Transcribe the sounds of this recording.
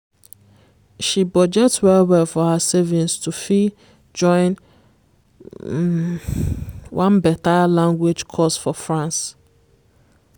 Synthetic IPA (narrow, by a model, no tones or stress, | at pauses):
ʃibɔd͡ʒɛtswɛlwɛlfɔhasevĩnstufi | d͡ʒɔ̃ɪ̃n | wʔãnbɛtalãŋɡwed͡ʒkʰɔsfɔfɹãns